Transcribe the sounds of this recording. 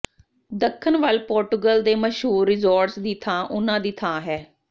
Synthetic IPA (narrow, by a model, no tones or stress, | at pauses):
d̪əkʰːənʋəlpoːɾʈuɡəld̪eːməʃɦuːɾːɪzoːɾʈsd̪iːt̪ʰãːʔʊnãːd̪iːt̪ʰãːɦɛː